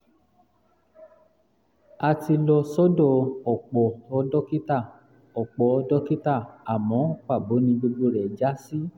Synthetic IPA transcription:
a˧ti˧lɔ˧sɔ˦dɔ˦˨ɔ˨k͡pɔ˨ɔ˧dɔ˦ki˦ta˦˨ | ɔ˨k͡pɔ˨ɔ˧dɔ˦ki˦ta˦˨a˨mɔ̃˨˦k͡pa˦˨bo˨˦nĩ˧ɡ͡bo˧ɡ͡bo˦˨ɾɛ˨d͡ʒa˦si˦

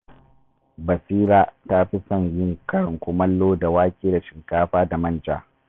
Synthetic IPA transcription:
bɐ˨siː˦ɾaː˦ta˦ɸi˦sɐ˦ɲjɪ˦ŋkɐ˦ɽɪ˨ŋkʷʊ˨mɐ˦lːoː˦da˨waː˦kʲeː˦da˨ʃɪ˨ŋkaː˦ɸaː˦da˨mɐ˦˨nd͡ʒa̰ː˨

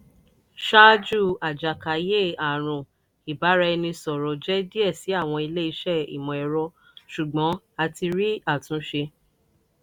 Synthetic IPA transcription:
ʃa˦d͡ʒu˦˨a˨d͡ʒa˨ka˨˦je˦˨a˨ɾ̃ũ˨ | i˨ba˨˦ɾa˧nĩ˧sɔ˨ɾɔ˨d͡ʒɛ˦di˦ɛ˦˨si˨˦a˦˨w̃ɔ̃˧i˧le˦i˧ʃɛ˦˨ḭ˨mɔ̃˨ɛ˨ɾɔ˧ | ʃu˨ɡ͡bɔ̃˨˦ | a˧ti˧ɾi˦a˦˨tũ˨˦ʃe˧

